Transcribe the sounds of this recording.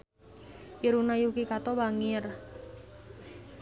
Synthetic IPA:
ʔiɾunajukikat̪ɔwaŋɪr

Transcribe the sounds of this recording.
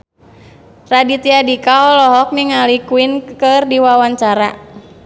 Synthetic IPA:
radit̪iadikaɔlɔɦɔk̚niŋalikuinkɨrdiwawaɲt͡ʃaɾa̰

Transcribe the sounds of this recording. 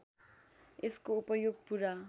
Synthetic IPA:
eskoupʌjoɡ̚puɾa

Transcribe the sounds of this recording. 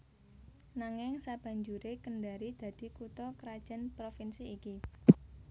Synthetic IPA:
naŋɪŋsab̥ä̤ɲd͡ʒuɾekəɳɖaɾid̪̥ä̤d̪̥i̤kut̪ɔkəɾad̥ʒ̥a̤npɾofinsiːki

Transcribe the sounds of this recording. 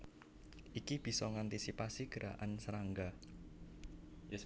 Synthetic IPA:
ʔikib̥i̤sɔŋant̪isipasiɡ̥əɾa̰ʔansəɾaŋɡa | j

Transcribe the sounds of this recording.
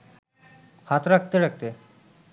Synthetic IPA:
hat̪ɾak̚t̪eɾak̚t̪e

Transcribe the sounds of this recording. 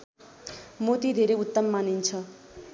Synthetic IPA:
mot̪id̪ʱeɾeut̪ːʌmmanint͡sʰʌ

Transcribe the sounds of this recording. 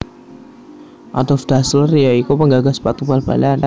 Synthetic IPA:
ʔa̰t̪ɔfdaslərjaikopəŋɡaɡaspat̪ubalba̰lana

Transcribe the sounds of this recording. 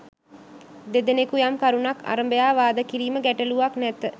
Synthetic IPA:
d̪ed̪enekujamkaɾunaka̰ɾəmbəjaːʋaːd̪əkiɾiːməɡæʈəluʋaknɛt̪ə

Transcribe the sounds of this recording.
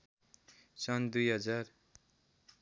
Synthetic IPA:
sʌnd̪ujɦʌd͡zar

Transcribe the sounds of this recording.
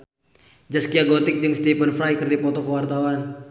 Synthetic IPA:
d͡ʒaskiaɡɔt̪ɪk̚dɨŋst̪ipənfɾajkərdapɔt̪ɔkəwart̪awan

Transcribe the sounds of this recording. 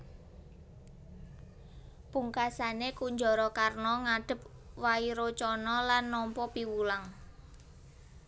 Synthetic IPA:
puŋkasanekuɲd͡ʒɔɾɔkarnɔŋaɖ̥ə̤p̚ | waiɾot͡ʃɔnɔlanːɔmpɔpiwulaŋ

